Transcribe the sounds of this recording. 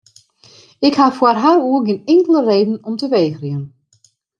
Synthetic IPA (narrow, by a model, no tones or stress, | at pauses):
ɪkhafwarɦaruərɡɪnɪŋkələreːdn̩ɔmtəʋeːxriən